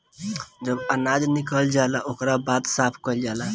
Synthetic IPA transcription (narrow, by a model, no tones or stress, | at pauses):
d͡ʒəbənad͡ʒnikəld͡ʒaelaʔokɾabat̪sapʰkəld͡ʒala